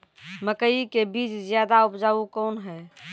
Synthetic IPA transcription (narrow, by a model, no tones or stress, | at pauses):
məkəikebiːt͡ʃzjaːd̪aʊpd͡ʒaːukɔːnɦɛː